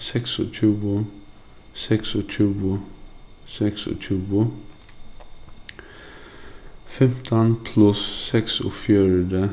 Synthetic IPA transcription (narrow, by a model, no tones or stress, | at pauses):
sɛksɔ̰t͡ʃʰʉːʊ | sɛksɔt͡ʃʰʉːʊ | sɛksɔ̰t͡ʃʰʉːʊ | fɛmt̪ʰənpʰlʉsːɛkso̰ːfjøːɾəd̪ə